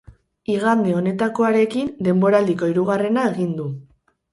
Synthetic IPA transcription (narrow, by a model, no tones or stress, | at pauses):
iɣ̞and̪eo̞ne̞t̪ako̞aɾe̞kind̪e̞mbo̞ɾald̪iko̞iɾuɣare̞nae̞ɣind̪u